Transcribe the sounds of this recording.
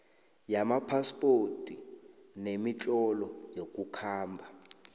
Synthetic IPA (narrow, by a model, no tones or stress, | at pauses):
jamapʰaspʼotʼinemit͡ɬʼɔlɔjokʼukʰaːmbʱa